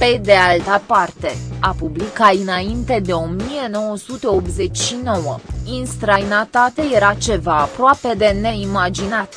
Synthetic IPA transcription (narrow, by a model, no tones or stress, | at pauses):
pe̞d̪e̞alt̪apart̪e̞apublikaɨnaint̪e̞d̪e̞o̞mije̞no̞wəsut̪e̞opze̞t͡ʃʲʃino̞wəinst̪ɾajnat̪at̪eje̞ɾat͡ʃe̞vaːpɾoape̞d̪e̞ne̞imad͡ʒinat̪